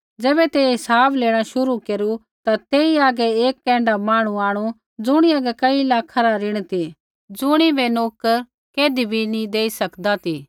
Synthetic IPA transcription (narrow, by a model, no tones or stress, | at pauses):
d͡zɛːbɛt̪eɦɪsaːbleːɽ̃aʃʊɾukeːɾu | t̪at̪eːiaːɡɛeːkːɛ̃ːɳɖamaːɽ̃ũaːɽ̃ũ | d͡zʊɽ̃iaːɡɛkɐilaːkʰaɾaɾɪɽ̃t̪i | d͡zʊɽ̃ibʱɛnoːkəɾ | keːd̪ibʱinĩd̪eːisɐkd̪at̪iː